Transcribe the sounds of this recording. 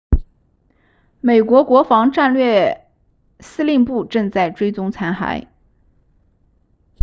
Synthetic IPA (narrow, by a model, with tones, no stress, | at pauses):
me˨˩ɪkwɔ˧˥kwɔ˧˥fɑ˧˥ŋʈ͡ʂa˥˧nlɥɛ˥˩ | sɹ̩˥li˥˧npu˥˧ʈ͡ʂɤ˥˧ŋt͡sa˥˩ɪʈ͡ʂwe˥ɪt͡sʊ˥ŋt͡sʰa˧˥nxa̰˧˥ɪ